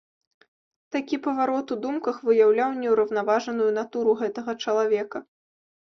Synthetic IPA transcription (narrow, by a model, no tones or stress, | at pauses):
t̪akʲipɐvaɾɔt̪ud̪umkɐxvɨjawlʲawnʲɛwɾɐwn̪avaʐɐnujunat̪uɾuɣɛt̪ɐɣɐt͡ʂɐlˠavʲɛkɐ